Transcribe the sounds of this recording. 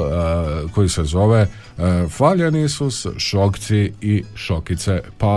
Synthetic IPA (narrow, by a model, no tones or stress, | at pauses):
ko̞isezo̞ʋe | faʎenisusʃokt̪siiʃokit̪sepa